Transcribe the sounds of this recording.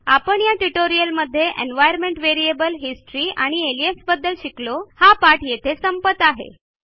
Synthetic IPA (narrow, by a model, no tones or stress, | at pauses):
apəɳjaʈuʈoɾiəlməd̪ʱːjeʔḛnʋajəɾmeɳʈʋeɾiebəlɦisʈɾiːa̰ɽ̃ieliesbəd̪ːəlɕiklohapaʈjet̪ʰesəmpət̪aɦḛ